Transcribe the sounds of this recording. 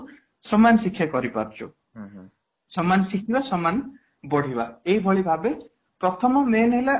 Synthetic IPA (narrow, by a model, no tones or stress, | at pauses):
sɔmansikʰːjakɔɾipa̰ɾt͡ʃʰṵ | sɔmansikʰibasɔman | bɔɽ̤ʱibaeibʱɔɭibʱabe | pɾɔt̪ʰɔmɔmenɔɦila